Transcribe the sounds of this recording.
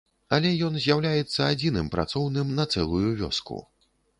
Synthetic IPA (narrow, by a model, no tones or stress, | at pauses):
ɐlʲɛjɔnzʲjawlʲajɛt̪sːɐad͡zʲinɨmpɾa̰t̪sɔwnɨmnɐt̪sɛlˠujuvʲɔ̰skṵ